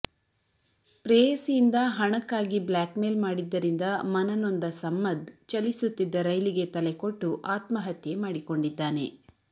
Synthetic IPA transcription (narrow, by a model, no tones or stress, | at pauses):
pɾejɐsijind̪ɐɦɐɳɐkːaːɡiblaːkmeːlmaːɽid̪ːɐɾind̪ɐmɐnɐnond̪ɐsɐmːɐd̪t͡ʃɐlisut̪ːid̪ːɐɾɐjliɡe̞t̪ɐleko̞ʈːuʔaːt̪mɐɦɐt̪jemaːɽiko̞ɳɖid̪ːaːne̞̰